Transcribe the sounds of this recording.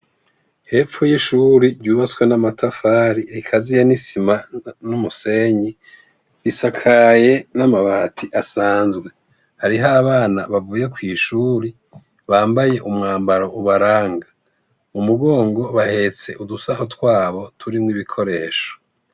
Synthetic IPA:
he̞ːp͡fujiʃuɾiɾɟuːβat͡swenamatʰafaːɾiɾikʰazijanisimanumuse̞ɲi | ɾisakʰaje̞namaβahatʰiʔasaːnzɡwe̞ | haɾiɦaβaːnaβavuːje̞kwiʃuːɾi | βaːmbaje̞ʔumŋaːmbaɾo̞ʔuβaɾaːŋɡa | umuɡo̞ːŋɡo̞βahe̞t͡se̞ʔudusahotkwaːβo̞tʰuɾimŋwiβikʰo̞ɾe̞ːʃo̥

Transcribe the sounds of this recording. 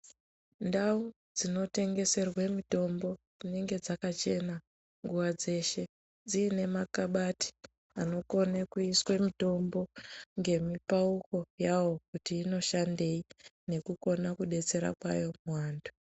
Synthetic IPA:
ndau | d͡zino̞te̞ŋɡe̞se̞rwemito̞mbo̞d͡zineŋɡe̞d͡zakat͡ʃe̞na | ŋɡuwad͡ze̞ʃe̞ | d͡ziːne̞makaɓati̥ | ano̞ko̞nakuiswemito̞mbo̞ŋɡe̞mipauko̞jawo̞kutiːno̞ʃande̞i | ne̞kuko̞nakuɗe̞t͡se̞ɾa̰kwa̰jo̞muwaːndu

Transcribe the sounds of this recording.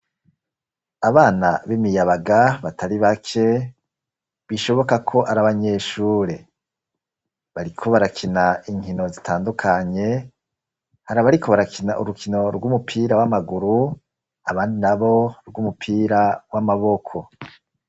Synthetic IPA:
aβaːnaβimijaβaɡaβatʰaɾiβakʰe̞ | βiʃo̞βo̞kakʰo̞ʔaɾaβaɲe̞ːʃuːɾe̞ | βaɾikʰo̞βaɾakʰinaiŋhino̞zitʰaːndukʰaɲe̞ | haɾaβaɾiko̞βaɾakinaʔṵɾukʰino̞ɾɡumupʰiːɾawamaɡuɾu | aβaːndinaβo̞ɾɡumupʰiːɾawamaβo̞kʰo̞

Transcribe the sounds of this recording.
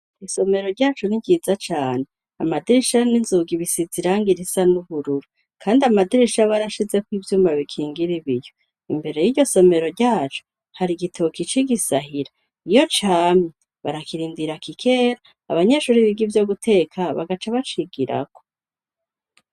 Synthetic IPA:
iso̞me̞ɾo̞ɾɟaːt͡ʃoniɟiːzat͡ʃaːne | a̰madiɾiʃaninzuɡiβisiziɾaːŋɡiɾisanuβuɾuɾu | kʰaːndiamadiɾiʃaβaɾaʃize̞kwiːvjuːmbaβikʰiːŋɡiɾiβijo | imbe̞ɾe̞jiɟo̞so̞me̞ɾo̞ɾɟaːt͡ʃo̥ | haɾiɡitʰokit͡ʃiɡisaɦiɾa | ijo̞t͡ʃaːmi | βa̰ɾakiɾiːndiɾakikʰe̞ːɾaː | βaɲeʃuːɾiβiɡivjo̞ɡutʰe̞ːkʰaβa̰ɡat͡ʃaβat͡ʃiɡiɾa̰ko̥

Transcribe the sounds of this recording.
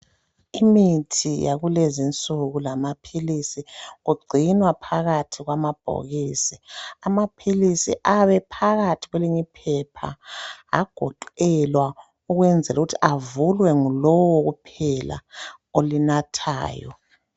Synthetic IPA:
imitʰija̰ɣulezint͡sʼuɣulamapʰilisiɣuɡ͡ǀʱinwapʰaɣatʰiɣwamab̥ʱo̰ɣisiamapʰilisḭʔaβɛpʰaɣatʰiɣwɛliɲipʰɛpʰa̰a̰ɡ̥ʱɔǃɛlwa | uɣwɛnd͡zʱɛluɣutʰiʔavulwɛŋulɔwɔɣupʰɛla̰ | olinatʰa̰ːjɔ̰

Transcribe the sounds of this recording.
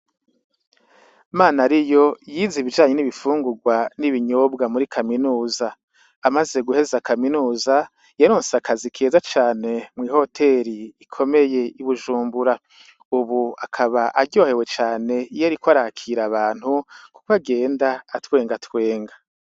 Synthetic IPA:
maːnaɾijo̞jiziβid͡ʒaːɲeniβifuːŋɡuɡwaniβiɲobɡamuɾikʰaminuːzaː | maze̞ɡuhe̞zakaminuːza | jaɾoːnseakʰazikʰe̞ːzat͡ʃaːne̞mŋiːho̞tʰe̞ɾiːkʰo̞me̞je̞iβuʒuːmbuɾa | uβuakʰaβaʔaɾɟo̞ːhe̞we̞t͡ʃaːne̞jaɾikwaɾakʰiɾaβaːn̥huku̥koaɡe̞ːndaːtwe̞ːŋɡatwe̞ːŋɡa

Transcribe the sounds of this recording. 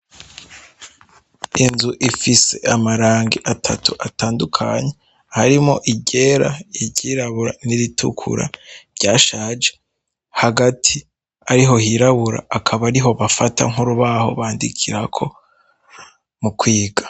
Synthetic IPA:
inzuʔifise̞̰amaɾaːŋɡiʔatʰa̰tʰuʔataːndukʰa̰ɲe̞ | haɾimo̞ʔiɟe̞ɾaiɟiːɾaβuɾa̰niɾitʰṵkʰṵɾa̰ɾɟaːʃaːd͡ʒe̥ | haɡatʰi | aɾiɦo̞hiɾaβuɾa̰ʔːkʰaβaɾiɦo̞βafatʰa̰ŋuɾuβaho̞̰βaːndikʰiɾakʰo̞ | mukʰwiːɡḁ

